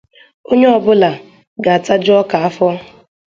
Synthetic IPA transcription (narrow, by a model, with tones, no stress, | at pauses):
o˦ɲe˦ɔ˨bʊ˦la˨ | ɡa˨a˨ta˦d͡ʒɔ˦ka˨a˦fɔ˦